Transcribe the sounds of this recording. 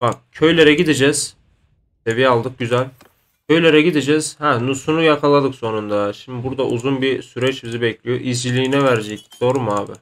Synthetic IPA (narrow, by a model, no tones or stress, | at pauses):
bak̚cʰø̞jlʲeɾɛɟid̪id͡ʒɛz̥ | sevijalˠd̪ɯk̚ɟyzælʲ | cʰø̞jlʲeɾɛɟid̪id͡ʒɛz̥hɛnusunujakʰalˠad̪ɯkso̞nund̪aʃimd̪ibuɾd̪aʔuzunbisyɾɛt͡ʃmizibɛclʲijo̞ʔizd͡ʒilʲiːnɛvæɾd͡ʒɛcd̪̥o̞ɾumuaːbɪ̰